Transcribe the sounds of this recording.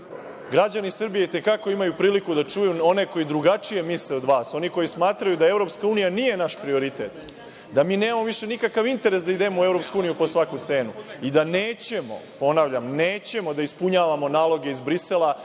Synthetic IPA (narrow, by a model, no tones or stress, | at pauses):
ɡɾad͡ʑanisr̩bije̞it̪e̞kako̞imajupɾiːlikud̪at͡ʃujuo̞ne̞ko̞jid̪ɾuɡat͡ʃije̞misleo̞d̪ʋaːso̞niko̞jismaːt̪ɾajud̪ae̞vɾo̞pskauːnijanije̞naʃpɾio̞ɾit̪et̪ | d̪amiːneːmamoʋiʃe̞nikakaʋint̪e̞ɾesd̪aid̪e̞moue̞vɾo̞pskuuːnijupo̞sʋakut̪se̞ːnuid̪aneːt͡ɕe̞mo̞̰po̞naʋʎamneːt͡ɕe̞mo̞d̪aispuɲaːʋamo̞naːlo̞ɡe̞izbɾiselˠa